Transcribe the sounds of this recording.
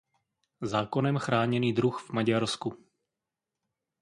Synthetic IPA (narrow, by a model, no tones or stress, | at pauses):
zaːko̞nɛmxɾaːɲɛniːdɾuxv̥maɟaɾsku